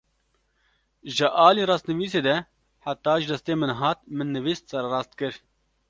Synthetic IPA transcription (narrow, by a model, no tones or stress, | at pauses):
ʒɨʔɑːliːɾɑːst̪nɨʋiːseːd̪ɛ | ħat̪ːɑːʒɨd̪ɐst̪eːmɨnɦɑːt̪̚mɨnːɨviːst̪sɐɾɾɑːst̪̚kɨɾ